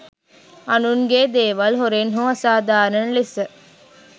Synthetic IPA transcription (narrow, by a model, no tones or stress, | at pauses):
ɐnunɡeːd̪eːʋɐlɦoɾenɦuɐsaːd̪aːnɐnlisə